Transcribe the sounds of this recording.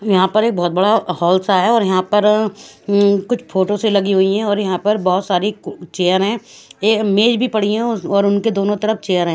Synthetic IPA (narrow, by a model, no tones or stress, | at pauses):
jɐɦãpɐɾeːk̚bɔːt̪̚bɐɽahɔːlsaɦɛɔːɾjɐɦãpɐɾ | kʊt͡ʃʰfʰoːʈoselɐɡiɦʊiɦɛ̃ɔːɾjɐɦãpɐɾbɔːʊt̪saːɾit͡ʃeːjəɾɦɛ̃ːeːmeːd͡ʒbʱipɐɽ̤iɛ̃ɔːɾʊnked̪oːnõt̪ɐɾəft͡ʃeːjəɾɦɛ̃ː